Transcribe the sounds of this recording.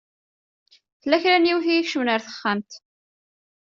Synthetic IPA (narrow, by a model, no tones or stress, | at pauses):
θəlːæçɾæniwθiiçʃunəɾθə̥χːamt̪